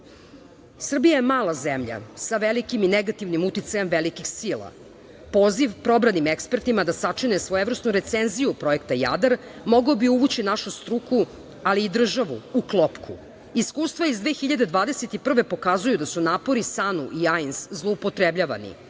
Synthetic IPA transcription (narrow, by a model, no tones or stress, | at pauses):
sr̩bijajemaːlˠazemʎa̰saʋelikimineɡat̪iʋnimut̪it̪sajemʋelikixsilˠa̰ | po̞ːziʋpɾo̞bɾanimekspeɾt̪imad̪asat͡ʂinesʋo̞evɾr̩st̪nuɾet̪senzijupɾo̞e̞kt̪aja̰d̪aɾmo̞ɡobiuʋut͡ɕinaʃust̪ɾuku | aliːd̪r̩ʒaʋuuklˠopkʰu | iskuːst̪vʋaizd̪ʋeːxiʎad̪e̞d̪ʋaːd̪eset̪ipr̩ʋe̞po̞kazujud̪asunaːpo̞ɾisanuʔiajnszlˠoupot̪ɾebʎaːʋa̰nḭ